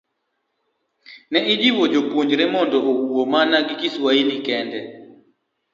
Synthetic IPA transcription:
nɛʔid͡ʒiwɔd͡ʒopuɲd͡ʒɾɛmɔndɔʔouwomanaɡɪkiswailikɛndɛ

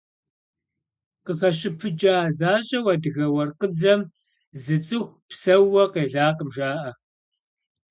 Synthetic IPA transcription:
qəxɐɕɪpʰɨd͡ʒʼaːzaːɕʼɐwɐdɨɣɐwɐrqəd͡zɐm | zɨt͡sʼɨxʷpsɐwɐqeːɮaːqəmʒaːʔɐ

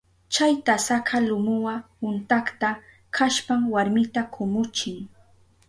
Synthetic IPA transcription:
t͡ʃajt̪asakʰalʊmʊwapʊnt̪aχt̪a | kʰaʃpamwaɾmɪt̪akʰʊmʊt͡ʃɪŋ

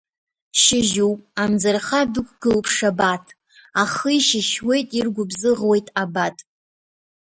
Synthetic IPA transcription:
ʃɪʒuwpʼamd͡zarχadʊkʷʼɡ̥ɨlpʰʂabatʰ | aχəiʃɪʃwe̞jtʼirɡʷʊbzɨʁwe̞jtʼabatʼ

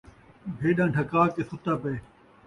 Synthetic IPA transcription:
bʱeːɗãːʈʰəkaːkeːsʊt̪aːpeː

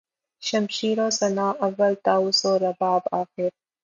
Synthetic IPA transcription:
ʃɐmʃiːɾoːsɐnaːʔɐʋːəlt̪aːusoːɾɐbaːbaːxɪɾ

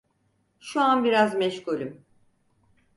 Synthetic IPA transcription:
ʃuanbiɾazmɛʃkulʲim

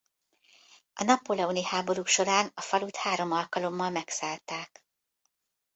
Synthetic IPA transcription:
ɒnɒpːolɛunihaːbo̞ɾukʃo̞ɾaːnɒfɒlut̪haːɾo̞mɒlkɒlo̞mːɒlmɛksaːlt̪aːk

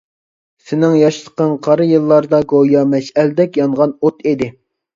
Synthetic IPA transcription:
sɪnɪŋjɑʃt̪ʰqɑnqʰɑɾɨjɨlˠːɑɾd̪ɑɡojɑmɛʃɛld̪ɛkʲjɑnʁɑnot̪ed̪ɪ

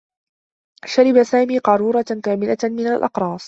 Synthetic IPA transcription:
ʃaɾɪbasaːmiːqɑɾˤuːɾˤɑkaːmɪlamɪnalʔɑ̰qɾˤɑːsˤ

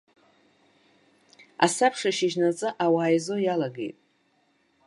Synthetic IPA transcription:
a̰sapʰʂaʃɪʒnat͡sʼɨʔawaːjzo̞jalaɡe̞̰jtʼ

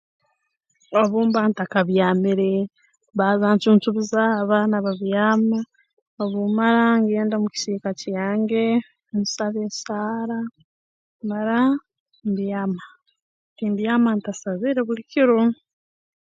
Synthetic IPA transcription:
o̞βuːmbantakaβjaːmiɾe | βaːzaːnt͡ʃuːntuβizaβanaβaβjaːma | oβumaɾaŋɡeːndamuci̥siːkacjaːŋɡe̞ | nsaβesaːɾa | maɾa | ndijama | tindijamantasaβiːɾeβuliciɾo

